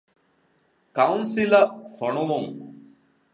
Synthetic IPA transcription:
kɐunsilɐfɐɳuʋuŋ

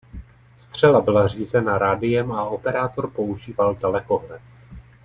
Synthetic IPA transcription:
st̪r̝̥ɛlabɪlar̝iːzɛnaɾaːdɪjɛmao̞pɛɾaːt̪o̞ɾpo̞uʒiːvalt̪alɛko̞ɦlɛ

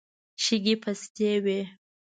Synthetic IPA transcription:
ʃɪɡipʰastewe

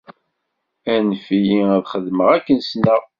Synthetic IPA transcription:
ænfijiæðχəðməʁækːənsnəʁ

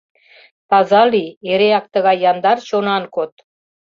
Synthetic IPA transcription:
pɑzɑlieɾeɑk̚t̪əɣɑjːɑnd̪ɑrʃonɑnkot̪

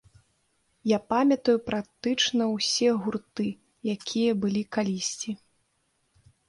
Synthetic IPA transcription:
japamʲɐt̪ɐjupɾak̚t̪ɨt͡ʂnɐwsʲɛɣurt̪ɨ | jakʲʰijɐbɨlʲikalʲisʲt͡sʲi

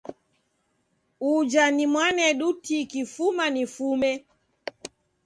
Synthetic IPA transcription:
ud͡ʒanimwanɛɗutikifumanifumɛ

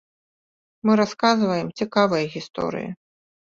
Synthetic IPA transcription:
mɨɾaskazvɐjɛmt͡sʲikavɐjɐɣʲist̪ɔ̰ɾɨ̰jḭ

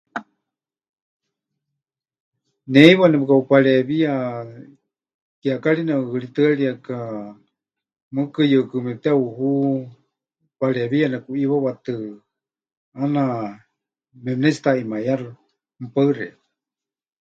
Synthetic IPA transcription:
nɛiβanɛpɨkaupalɛβia | kiakalinaɨlit̪ɨaliaka | mɨkɨjəkɨmɛt̪ɛuɦu | palɛβianakuiβaβat̪ɨ | ana | mɛmnɛt͡si̥t̪aimajarɨ | m̩upaɨɾɛ

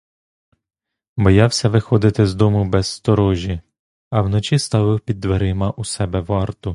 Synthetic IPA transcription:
bɔjɑwsʲɐʋɪxɔd̪ɪt̪ɪzd̪ɔmʊbɛzst̪ɔɾɔʒʲi | ɐwnɔt͡ʃʲist̪ɑʋɪwpʲid̪ːʋeɾɪmɐʔusɛbɛʋɑrt̪ʊ

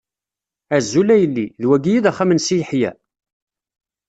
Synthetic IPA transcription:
æzːulæjəlːiðwæɡijiðæχːæmənsijəħjæ̰

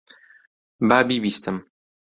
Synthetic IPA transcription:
baːbiːbiːst̪ʰɨm

